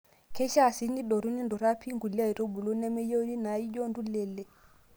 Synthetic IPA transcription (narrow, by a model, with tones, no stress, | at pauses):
kɛ˦ʃa˦˨si˦ni˦ɗɔ˨ɾu˦ni˦ndɔ˨ɾa˦pʰi˦ŋɡu˨li˦a˦i˨ɾo˦bu˨lu˦nɛ˦mɛ˦jo˦wni˦na˨i˦d͡ʒɔ˦ndu˦lɛ˨lːɛ˨